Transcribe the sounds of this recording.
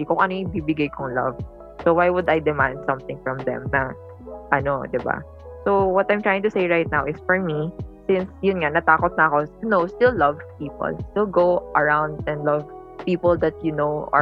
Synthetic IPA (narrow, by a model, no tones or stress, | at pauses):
kʊŋʔɐnoɪbibɪɡajkʊŋlɐ̰v | sowajwʊd̪ajd̪ɛmã̰nd̪̚sʌ̃mθɪ̃ŋfɹɐ̃mðɛ̰̃mnɐ | ʔɐnod̪ɪba̰ | sowwɔt̪ãj̃mt̪ɹajɪŋt̪ʊsejɹajt̪̚nawʔɪsfɔɹmisɪ̃nsjʊnŋanɐt̪aːkɔt̪̚nɐʔɐko̞nowst̪ɪlːɐvpiːpɔ̰lst̪ɪlɡowʔɐɹãwnd̪ɛ̃nd̪lɐv | piːpɔld̪ɐt̪̚jʊnowɔ̰